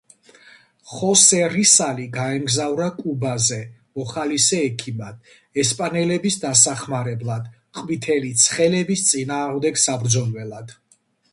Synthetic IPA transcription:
χɔsɛɾisaliɡaɛmɡzavɾakʼubazɛmɔχalisɛːkʰimad̪̥ | ɛspʼanɛlɛbisd̪asaχmaɾɛblˠad̪̥ | qʼvit̪ʰɛlit̪sʰχɛlɛbist̪sʼinaːʁmd̪ɛɡsabɾd̪zɔnvɛlad̪̥

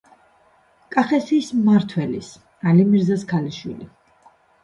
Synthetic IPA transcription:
kʼaχɛsiːsmaɾt̪ʰwɛlis | alimiɾzaskʰaliʃwḭli

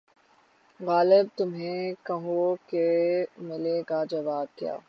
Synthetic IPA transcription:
ɣaːlɪb̚t̪ʊmɦẽkɐɦũokemɪleɡad͡ʒɐʋaːb̪̚kja̰ː

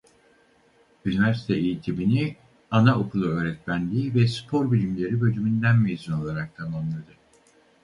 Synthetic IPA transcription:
ynivæɾsi̥t̪ʰɛejit̪ʰibini | anaokʰulˠuø̞ːɾɛt̪mʲænd̪ʲiːvɛspʰo̞ɾbilʲimlʲe̞ɾibø̞lymynd̪ænmezyno̞lˠaɾak̚t̪ʰamamlˠad̪ɯ

